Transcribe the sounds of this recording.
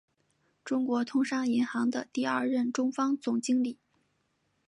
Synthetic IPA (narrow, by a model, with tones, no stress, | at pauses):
ʈ͡ʂʊ˥ŋkwɔ˧˥t̪ʰʊ˥ŋʂɑ˥ŋi˧˥nxɑ˧˥ŋd̪ə˧t̪i˥˧ɐ˞˥˧ɻə˥˩nʈ͡ʂʊ˥ŋfɑ˥ŋt͡sʊ˨˩ŋt͡ɕi˥ŋli˨˩˦